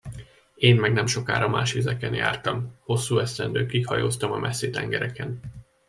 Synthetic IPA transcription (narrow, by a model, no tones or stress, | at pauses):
eːnmɛɡnɛmʃo̞ka̰ːɾɒmaːʃezɛkɛnja̰ːrt̪ɒmho̞sːuːɛst̪ɛnd̪øːkihɒjoːst̪ɒmɒmʔɛsːeːt̪ɛŋɡɛɾɛkɛn